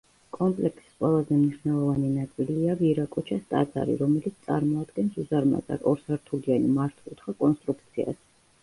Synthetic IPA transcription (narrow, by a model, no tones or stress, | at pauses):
kʼɔmpʼlɛkʰsi̥qʼwɛlˠazɛmniʃvnɛlˠɔvaninat̪sʼiliaviɾakʼut͡ʃʰast̪ʼa̰d̪za̰ɾḭɾɔmɛlit̪st̪sʼa̰ɾmɔad̪ɡɛnsuzaɾma̰zʼa̰ɾɔɾsaɾt̪ʰulianimaɾt̪ʰulˠt̪χakʼɔnst̪ʼɾukʰt̪sʰia̰s